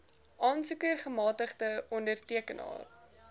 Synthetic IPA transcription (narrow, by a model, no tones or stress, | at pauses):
ʔɑːnsukərχəmɑːtəχdəɔndərtiəkənɑ̰ːr